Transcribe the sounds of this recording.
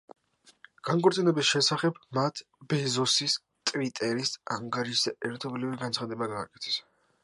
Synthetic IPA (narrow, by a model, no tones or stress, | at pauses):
ɡ̥aŋkʼɔɾt̪sʼinɛbisʃɛsaχɛbmat̪ʰ | bɛzɔsis | t̪ʼvit̪ʼɛɾisaŋɡaɾiʃd̪aɛɾt̪ʰɔbliviɡant̪sχad̪ɛbaɡaːkʼɛ̥t̪ʰɛ̥s